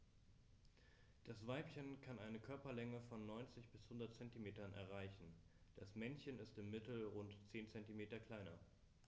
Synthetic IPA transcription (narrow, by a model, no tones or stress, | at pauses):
d̥asv̥aɪpçənkʰanʔaɪnəkʰœɐpɐlɛŋəfɔnːɔʏnt͡sɪçb̥ɪshʊndɐtt͡sɛntimeːtɐnʔɛ̰ɐʁaɪçn̩ | d̥asmɛnçənɪstɪmːɪtl̩ʁʊntt͡seːnt͡sɛntimeːtɐkl̥aɪnɐ